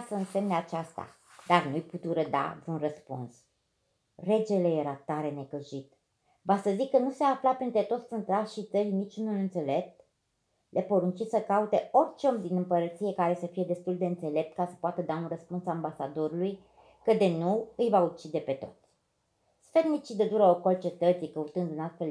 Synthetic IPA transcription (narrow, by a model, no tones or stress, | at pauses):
səɨnse̞mneat͡ʃast̪a̰ | d̪arnujput̪uɾəd̪a̰d̪ɾunrəspṵns | re̞d͡ʒe̞le̞je̞ɾat̪aɾe̞ne̞kəʒit̪ | vasəzikːənuseaːflapent̪ɾet̪o̞t̪sʲɨnt̪ɾaʃit̪səɾinit͡ʃʲunulɨnt̪se̞le̞p̚t̪ | lʔe̞po̞ɾunt͡ʃisəkaut̪e̞o̞rʲt͡ʃeomd̪inɨmpəɾət̪sije̞kaɾe̞səfije̞d̪e̞st̪uld̪e̞ɨnt̪se̞le̞p̚t̪̚kasə̥poat̪əd̪aunrəspunsaambasad̪o̞ɾuluj | kəd̪enuɨjvaut͡ʃid̪e̞pe̞t̪o̞̰t̪sʲ | sfed̪mit͡ʃid̪əd̪uɾəoko̞lt͡ʃe̞t̪ət̪sikəut̪ɨnd̪unast̪fe̞l